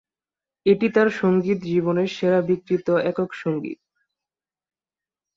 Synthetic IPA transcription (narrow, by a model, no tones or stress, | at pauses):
eʈit̪aɾʃoŋɡit̪̬d͡ʑiβoneɾʃeɾabikɾit̪oɛkokʃoŋɡḭt̪̚